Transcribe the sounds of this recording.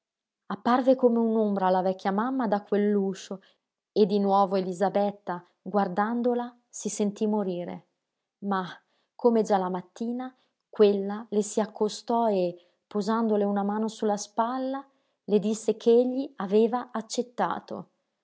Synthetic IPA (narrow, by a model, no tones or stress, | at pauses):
apːarvekomeunombɾaːlːavɛk̟ːjamamːad̪akːwelːuːt͡ʃo | ed̪ːinwɔːvoelizabɛt̪ːa | ɡward̪and̪ola | sisent̪imoɾiːɾḛ | ma | kːomed͡ʒalamat̪ːiːna | kwelːalesiakːost̪ɔe | pozand̪oleunamaːnosulːaspalːa | led̪isːekʰeeʎːiaveːvaat͡ʃːet̪ːa̰ːt̪o̰